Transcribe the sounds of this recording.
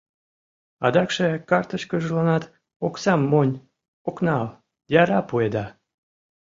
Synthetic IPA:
ɑ̰d̪ɑkʃekɑrt̪əʃkəʒɤlɑnɑt̪ | oksɑmːonʲ | oknɑl | jɑɾɑpued̪ɑ

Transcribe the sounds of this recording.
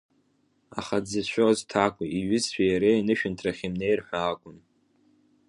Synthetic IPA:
aχad͡zɨʃʷʰᶣoztʰakʷʼiiɥɪzħᶣajaɾeinɨʃᶣɪntʰraχʲimne̞jrħʷaːkʷʼʊn

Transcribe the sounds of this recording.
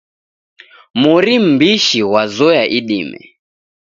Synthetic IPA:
muɾim̩biʃiwazɔjaʔiɗimɛ̰

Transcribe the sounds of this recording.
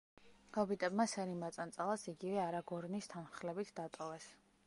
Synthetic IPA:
ɡ̥ɔbit̪ʼɛbmasɛɾimat̪sʼant̪sʼalˠasiɡivɛaɾaɡɔɾnist̪ʰanχlɛbit̪ʰd̪at̪ʼɔvɛs

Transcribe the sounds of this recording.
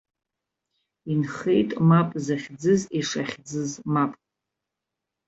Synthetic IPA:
inχejtʼmapʼzaχʲd͡zɨziʂaχʲd͡zɨzmapʼ

